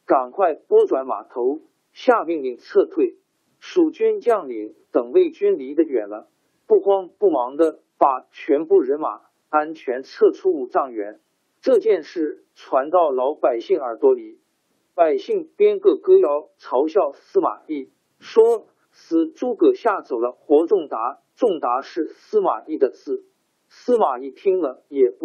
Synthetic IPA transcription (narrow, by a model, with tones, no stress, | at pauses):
ka˨˩nkʰwa˥˩ɪkwɔ˥ŋʈ͡ʂwa˧˥nma̰˨˩t̪ʰo˧˥ʊ | ɕja˥˧mi˥˧ŋli˥˩ŋt͡sʰɤ˥˧t̪ʰwe˥˩ɪ | ʂu˨˩t͡ɕy˥nt͡ɕjɑ˥˩ŋli˧˥ŋt̪ɤ˨˩ŋwe˥˩ɪt͡ɕy˥nli˧˥d̪ə˧ɥɛ̰˨˩nlə˧˦ | pu˥˩kwɑ˥ŋpu˥˩mɑ˧˥ŋd̪ə˧ | pa˨˩t͡ɕʰɥɛ˧˥nfu˥˩ɻə˧˥nma̰˨˩˦ | a˥nt͡ɕʰɥɛ˧˥nt͡sʰɤ˥˧ʈ͡ʂʰu˥u˨˧˩ʈ͡ʂɑ˥˩ŋɥɛ̰˧˥n | ʈ͡ʂɤ˥˧t͡ɕjɛ˥˧nʂɻ̩˥˩ | ʈ͡ʂʰwa˧˥nt̪ɑ˥˩ʊlɑ˧˥ʊpa˨˩ɪɕi˥˩ŋə˞˧˥t̪wɔ˥li˧˥ | pa˨˩ɪɕi˥˩ŋpjɛ˥nkɤ˥˩kɤ˥jɑ˧˥ʊʈ͡ʂʰɑ˧˥ʊɕjɑ˥˩ʊsɹ̩˥ma̰˨˩i˥˩ | ʂwɔ˥ | sɹ̩˨˩ʈ͡ʂu˥kɤ˨˩ɕja˥˩t͡so˨˩ʊd̪ə˦xwɔ˧˥ʈ͡ʂʊ˥˩ŋt̪a˧˥ | ʈ͡ʂʊ˥˩ŋt̪a˧˥ʂɻ̩˥˩sɹ̩˥ma̰˨˩i˥˩d̪ə˩t͡sɹ̩˥˩ | sɹ̩˥ma˨˩i˥˩t̪ʰi˥ŋlə˨jɛ˨˩p